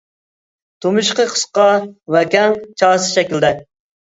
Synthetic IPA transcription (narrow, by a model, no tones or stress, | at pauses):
t̪ʰumuʃqəqʰə̥sqɑwɛkʲɛŋt͡ʃʰɑːsɨ̥ʃɛkʲild̪ɛ